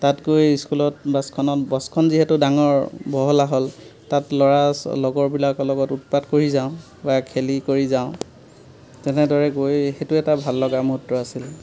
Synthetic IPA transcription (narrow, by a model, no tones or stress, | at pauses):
tatɡojskulɔtbaskʰɔnɔtbɔskʰɔnziɦɛtʊdaŋɔɹbɔɦɔlaɦɔltatlɔɹalɔɡɔɹbilakɔlɔɡɔtut̚patkoɹizaʊ̃ | bakʰelikoɹizaʊ̃ | tɛnɛdɔɹɛɡojxetuɛtabʱalːɔɡamoɦutɹɔasil